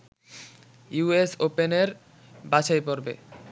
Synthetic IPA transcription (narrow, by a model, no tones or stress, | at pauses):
juesopeneɾ | bat͡ɕajpoɾbḛ